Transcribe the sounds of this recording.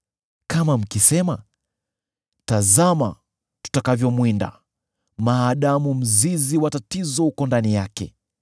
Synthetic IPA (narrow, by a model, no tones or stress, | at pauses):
kamam̩kisɛma | tazama | tu̥takavjɔmwinda̰ | maːɗamum̩ziziwatatizɔhukɔndanijakɛ